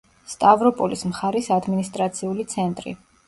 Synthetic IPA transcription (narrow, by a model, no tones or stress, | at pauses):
st̪ʼavɾɔpʼɔlismχaɾisad̪minist̪ʼɾat̪sʰiulit̪sʰɛnt̪ʼɾḭ